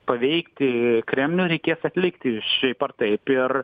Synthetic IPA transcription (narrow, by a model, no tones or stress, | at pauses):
pɐʋʲɛɪkt̪ʲɪkɾʲɛmʲnʲuɾʲɛɪkʲeːsɐt̪ʲlʲɪkt̪ʲɪʃʲɛɪpɐrt̪ɐɪpɪr